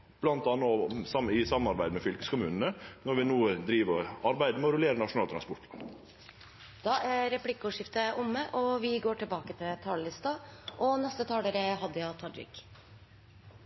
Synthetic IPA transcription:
b̥lɑnt̪ɑnːɔsɑmɪsɑmːənɑɾbæɪd̪əmɛfʏlkə̥skʊmʉːnən̩ənɔɾʋɪnuːəd̪ɾiːʋəɾɔɑɾbæɪd̪əmɛɔɾʊleːɾənɑʂʊnɑːlt̪ʰɾɑnspɔɾʈ̪ | d̪̥ɑːʔæɾɛpʰlɪkːuːʂɪft̪əʔʊmːəʔɔʋɪɡoːʈʰɪlbɑːkət̪ʰɪlt̪ʰɑːləlɪst̪ɑʔɔnɛst̪ət̪ʰɑːləɾəɦɑd̪ːəjɑt̪ʰɑɖɾɪ̰k

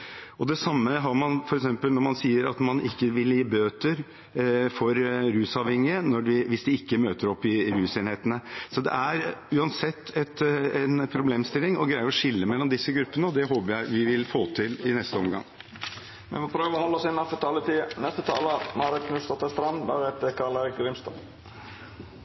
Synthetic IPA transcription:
ɔd̪ɛsɑmːəɦɑɾmɑnfɔɾɛksɛmpəlnɔɾmɑnsiːəɾɑt̪mɑnɪkːəʋɪljiːbøːt̪əɾ | fɔɾɾʉːsɑʋhɛŋːɪənɔɖɪʋɪsd̪ɪɪkːəmøːt̪əɾɔpːɪɾʉːseːnheːt̪ənəsɔd̪ɛ̰æɾʉːɑnsɛt̪ːɛt̪ɛnpʰɾʊbleːmst̪ɪlːɪŋɔɡɾæɪəɾɔʂɪlːəmɛlːɔmd̪ɪsːəɡɾʉpːənəɔd̪ɛɦoːpəɾjæɪʋɪʋɪlfoːt̪ʰɪlɪnɛst̪əɔmɡɑ̰ŋ | mɛ̰fɔpʰɾøːʋɔhɔlːɔsɪnːɑfət̪ʰɑːlət̪ɪnɛst̪ət̪ʰɑ̰ːləmɑɾɪkʰnʉst̪ɔt̪ːəst̪ɾɑnbɑ̰ɾɛt̪əkʰɑːləɾɡɾɪmst̪ɔn

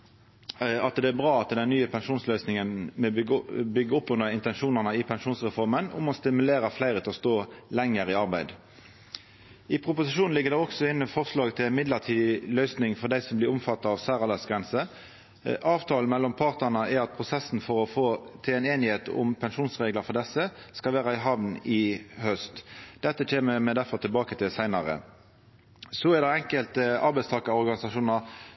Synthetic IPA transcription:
ɑt̪d̪ɛæbʁɑːɑt̪d̪ɛnnːyːəpʰɛnʂuːnslœʏsnɪŋənmɛbʏɡːəʊpːʉnəʁɪnt̪ɛnʃuːnəʁnəɪpʰɛnʂuːnsʁɛfɔʁmənʊ̰mɔst̪ɪmʉleːɾəflæɪʁət̪ʰɪlɔst̪oːlɛŋːəʁɪɑʁbæɪd̪ | ɪpʰʁʊpʊsɪʃuːnɪɡːəd̪ɛːɔksɔɪnːəfɔʁslɑːɡt̪ʰɪlænmɪd̪ləʁt̪ʰiːd̪ɪlœʏsnɪŋfɔʁd̪æɪsɔmblɪʁʊmfɑt̪ːɑɑʋsæːʁɑlɛsɡʁɛnsə | ʔɑːʋt̪ʰɑːl̩mɛlːɔmpʰɑʁt̪əʁnəæɾɑt̪̚pʰʁʊsɛsn̩fɔʁɔfoːt̪ʰɪlɛːneːnɪheːt̪ʰʊ̰mpʰɛnʃuːnsʁeːɡlɑfɔʁd̪ɛsːəskɑlʋæːʁɑɪɦɑʋnɪhœst̪d̪̥ɛt̪ːəc͡çʰeːməmɛd̪æʁfɔʁt̪ʰɪlbɑːkət̪ʰɪlsæɪnɑʁə̰ | sɔæʁd̪æɛŋkəlt̪əɑɾbæɪst̪ɑːkɑɔʁɡɑnɪsɑʂuːnɑ

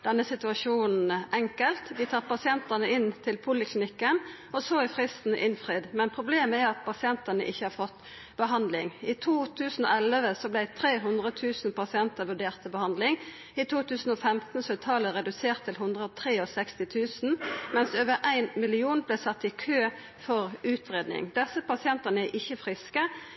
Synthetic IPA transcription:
d̪ɛnːəsɪt̪ʉɑʂuːnn̩ʔɛŋkəlt̪ʋɪt̪ʰɑːɾpɑsɪɛnt̪ənəɪnt̪ʰɪlpʰʊlɪkʰlɪnɪkːən | ɔsɔɪfʁɪst̪n̩ʔɪnfʁiːd̪mɛnpʰʁʊbleːməæɑt̪̚pʰɑsɪɛnt̪ənə̰ʔɪçːəhɑːɾfɔt̪ː | b̥əɦɑnd̪lɪŋɪt̪ʰuːt̪ʰʉːsn̩o̰ːɛləʋəsɔblæɪt̪ʰɾeːɦʉnd̪ʁət̪ʰʉːsnpɑsɪɛnt̪əʋʉɖeːʁt̪əbəhɑnd̪lɪŋ | ɪt̪ʰuːt̪ʰʉːsn̩ɔfɛmt̪n̩sɔɛt̪ʰɑːləɾɛd̪ʉseːʁt̪ʰːɪlɦʉnd̪ʁəɔt̪ʰʁeːɔsɛkst̪ɪt̪ʰʉːsn̩mɛnsøːʋəɾʔæɪnmɪlɪuːnblæsɑt̪ːɪkʰøː | fɔʁʉːt̪ʰʁeːd̪nɪ̰ŋd̪ɛsːəpɑsɪɛnt̪ənəæʔɪçːəfʁɪskə

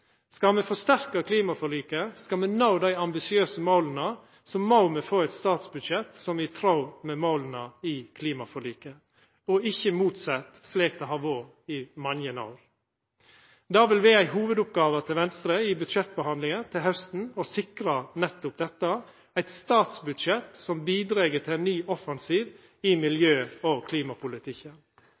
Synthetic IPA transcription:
skɑlmɛfɔst̪æɾkəkʰliːmɑfɔɭiːkəskɑlmɛnaʊd̪æɪɑmbɪsɪøːsəmoːlənə | sɔmːoʊmɛfoːɛt̪st̪ɑːt̪sbʉd̪ʃɛt̪sɔmʋɪt̪ʰɾaʊmɛmoːlənəɪkʰliːmɑfɔɭiːkə | ɔɪçːəmuːt̪sɑt̪sleːkt̪ʰɛɦɑːʋoːɾ | ɪmɑnjənɑ̰ːɾ | d̪ɑːʋɪlʋeæɪɦuːʋəd̪ʊp̚ɡɑːʋət̪ʰɪlʋɛnst̪ɾəɪbʉt̪ʃɛt̪̚bəhɑnd̪lɪŋənt̪ʰɪlhœst̪n̩ɔsɪkɾɑnɛt̪ːʊp̚d̪ɛt̪ːə | æɪt̪st̪ɑːt̪sbʉd̪ʃɛt̪sɔmbiːd̪ɾeːɡəʈ̪ʰɪlnnːyːʔɔfɑnsiːʋ | ɪmɪljøːokʰliːmɑpʰʊlɪt̪ʰɪkːən

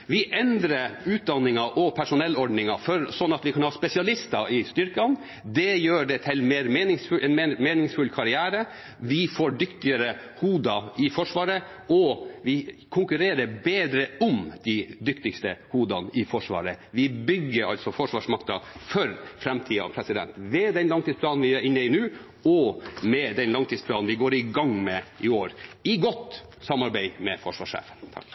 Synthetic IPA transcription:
ʋɪʔɛnd̪ɾəʉːt̪̚d̪ɑnːɪŋɑʔɔpʰæʂʊnɛlːɔɖnɪŋɑfɔɾsɔnːɑt̪ʋɪkʰɑnhɑːspɛsɪɑlɪst̪ɑɪst̪ʏɾkɑn | d̪ɛjøːɖɛt̪ʰɪlmeːɾmeːnɪŋsfʉʔɛnɛmeːnɪŋsfʉlkʰɑɾɪæːɾə | ʋɪfoːɖʏkt̪ɪəɾəhuːd̪ɑɪfɔʂʋɑːɾə | ɔʋɪkʰʊŋkʉɾeːɾəbeːd̪ɾəʊmd̪̥æɪd̪ʏkt̪ɪkst̪əhuːd̪ɑnɪfɔʂʋɑ̰ːɾəʋɪbʏɡːəɾɑ̰lsɔfɔʂʋɑːʂmɑkt̪ɑfœɾfɾɛmt̪ʰiːɑ̰ʋpʰɾɛsɪd̪ɛ̰nt̪ʋɛd̪ɛnlɑŋt̪iːsplɑːnnʋɪjæɾɪnːəɪnʉː | ɔmɛd̪ɛnlɑŋt̪iːd̪spʰlɑːnnʋɪɡoːɾɪɡɑŋmɛʔɪoːɾɪɡɔt̪ | sɑmɑɾbæɪmɛfɔʂʋɑ̰ːʂḛːfən

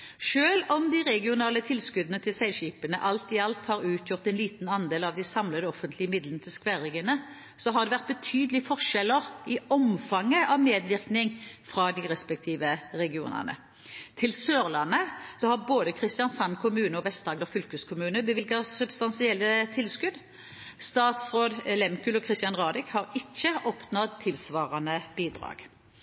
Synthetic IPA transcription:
ʃøːlɔmd̪ɪʁɛɡɪʊnɑːlət̪ʰɪlskʉd̪ənət̪ʰɪlsɛɪɕiːpənə̰ʔɑlt̪ɪɑlt̪hɑːʁʉːt̪ʰjʊʁt̪ɛnliːt̪n̩ɑnd̪eːlɑʋd̪æɪsɑmləd̪əɔfənt̪ʰlɪəmɪd̪lənət̪ʰɪlskʋæʁɪɡənə | sɔɦɑʁd̪ɛʋæʁt̪̚bət̪ʰyːd̪əlɪfɔʁʂɛlːəʁɪɔmfɑŋːəʔɑʋmeːd̪ʋɪʁknɪŋfʁɑd̪ɪʁɛspɛk̚t̪ʰiːʋəʁɛɡɪṵːnə̰nə̰ | t̪ʰɪlsøːʁlɑnːəsɔhɑʁboːd̪əkʰʁɪst̪ɪjɑnsɑnkʰʊmʉːnəɔʋɛst̪ɑːɡd̪ɔfʏlkəskʰʊmʉːnəbəʋɪlɡɑsʉbst̪ɑnsɪɛlːət̪ʰɪlskʉd̪ | st̪ɑːt̪sʁoːd̪lɛmkʉːlɔkʰʁɪst̪jɑnʁɑːd̪ɪkhɑʁɪçːəɔpʰnɔd̪̚t̪ʰɪlsʋɑːʁɑnəb̥iːd̪ʁɑ̰ːɡ̥

